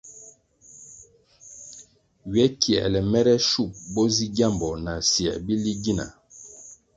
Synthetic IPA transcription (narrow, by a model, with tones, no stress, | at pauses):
wiɛ˦ki˨ɛ̰˨lɛ˨mɛ˦ɾɛ˦ʃu˦˨p̚bo˦zi˦ɡja˦˨mbɔ˨na˨sjɛ̰˨bi˦li˦ɡi˦na̰˨